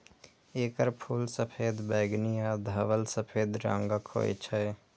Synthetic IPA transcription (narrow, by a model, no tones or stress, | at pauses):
eːkəɾpʰuːlsəpʰeːd̪bɛːɡnijad̪ʱəʋəlsəpʰeːd̪ɾã̰ŋɡəkho̰ḛt͡ʃʰɛː